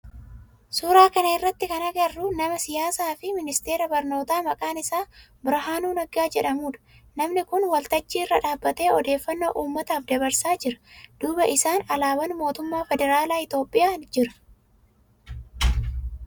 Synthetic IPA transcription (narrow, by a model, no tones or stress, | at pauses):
suːɾaːkɐnɐɪrːɐt̪ːɪkɐnɐɡɐrːʊnɐmɐsɪjaːsaːfɪmɪnɪst̪e̞ːɾɐbɐɾno̞ːt̪aːmɐkʼaːnɪsaː | bɪɾɦaːnuːnɐɡaːd͡ʒɛᶑɐmuːᶑɐ̥ | nɐmnɪkʊnwɐlt̪ɐt͡ʃːiːɪrːɐᶑaːbːɐt̪e̞ːɔd̪e̞ːfːɐnːoːʔuːmːɐt̪aːfd̪ɐbɐɾsaːd͡ʒɪɾɐ̥d̪̥uːbɐʔɪsaːnɐlaːwɐnmo̞ːt̪ʊmːaːfɛd̪ɛɾaːlaːɪt̪o̞ːpʼːɪjaːnd͡ʒɪɾɐ̥